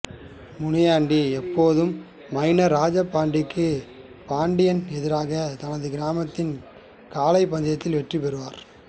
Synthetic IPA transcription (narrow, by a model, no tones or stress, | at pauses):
mʊɳɪjaːɳɖiɛpːoːðɯmː | ɐɪnɐɾaːd͡ʒɐpːaːɳɖɪkːɯ | paːɳɖɪjɐnɛðɪɾaːɣɐt̪ɐnɐðɯɡɪɾaːmɐt̪ːɪn | kaːlɐɪpːɐnd̪ɪjɐt̪ːɪlʋɛʈripɛɾɯʋaːɾ